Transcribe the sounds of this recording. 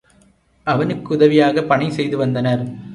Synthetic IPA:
ɐʋɐnɯkːɯʊðɐʋɪjaːɣɐpːɐɳɐɪsɛjðɯʋɐnd̪ɐnɐɾ

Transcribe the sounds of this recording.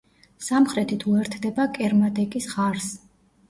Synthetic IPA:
samχɾɛt̪ʰit̪ʰuɛɾt̪ʰd̪ɛbakʼɛɾmad̪ɛkʼisχaɾs

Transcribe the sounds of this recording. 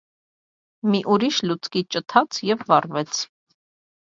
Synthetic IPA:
miʔuɾiʃlut͡sʰkit͡ʃət̪ʰɑt͡sʰjɛvːɑrvɛt͡sʰ

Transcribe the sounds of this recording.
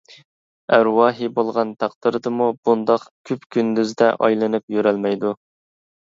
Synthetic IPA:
æɾwɑːɦibolˠʁɑnt̪ʰɑqd̪ɨɾɨd̪ɨmub̥und̪ɑqkʲʰypkʲʰynd̪yzd̪ɛ̰ʔɑ̰jlˠɨnɨpjøɾɛlmɛjd̪u

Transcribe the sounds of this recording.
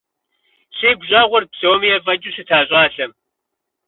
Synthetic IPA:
ɕeːɡʷʑaːʁʷɔrpsɐwɐmijɛvɐd͡ʒʼʊɕɨtʰaːɕʼaːɬɐm

